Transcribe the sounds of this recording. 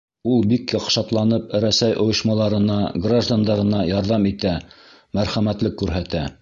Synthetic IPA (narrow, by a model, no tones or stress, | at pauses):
ulˠbikjɑqʃɑt̪lˠɑnɤpɘɾæsæjʔŏjɤ̆ʃmɑlˠɑɾɤ̆nɑɡraʒd̪and̪ɑɾɤ̆nɑjɑɾðɑmit̪æ | mæɾχæmæt̪lɘkːʉɾɦæt̪æ